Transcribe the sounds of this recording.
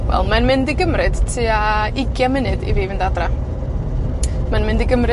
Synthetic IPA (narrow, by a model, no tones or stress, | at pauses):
wɛ̰lˠmanmɪndiɡəmrɨd̥tʰɨːaɪɡjamɪnɨdḭviːvɪndadra | manmɪndiɡəmɾɨ